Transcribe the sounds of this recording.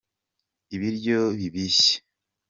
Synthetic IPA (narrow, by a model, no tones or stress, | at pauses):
iβiɾɟoβiβiɕe̥